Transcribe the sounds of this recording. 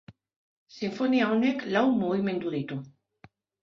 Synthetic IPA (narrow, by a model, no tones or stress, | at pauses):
siɱfoniaoneklawmoβimẽ̞nd̪uðit̪u